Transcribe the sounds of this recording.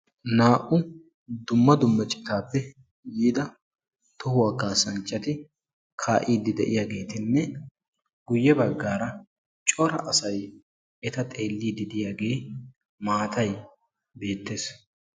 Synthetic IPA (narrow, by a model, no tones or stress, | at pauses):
naːʔʊ | d̪ʊmːɐd̪ʊmːɐt͡ʃʼɪ̥t̪aːpːɛ | jiːd̪ɐ | t̪ʊhʊwakːaːsɐnt͡ʃʼːɐt̪ɪ | kʰaːʔiːd̪ɪd̪ɛ̰ʔɪjaːɡe̞ːt̪ɪnːɛ | ɡ̥ʊjːɛbɐɡːaːɾɐ | t͡ʃʼɔɾɐ̰ʔɐsɐj | ɛt̪ɐt̪ʼe̞ːlːiːd̪ɪd̪ɪjaːɡe̞ː | maːt̪ɐj | be̞ːt̪ːe̞ːs